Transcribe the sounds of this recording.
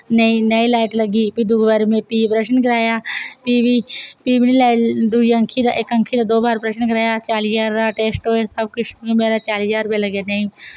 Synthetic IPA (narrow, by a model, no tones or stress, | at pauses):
nəĩːnəiːlaːɪʈləɡiːpiːd̪ʊɡʋaːɾemẽːpiːpɾəʃənkɪɾaːjaːpiːʋiːpiːbniːlaːd̪uːə̃ŋkʰiːd̪a̰ːʔɪkə̃ŋkʰiːd̪aːd̪oːbaːɾpɾəʃənkəɾaːjaːt͡ʃaːliːaːɾaːʈeːsʈɦoːeːsəbkʊʃẽːmeːɾaːt͡ʃaːliːjaːɾʊpeːləɡaːnəĩː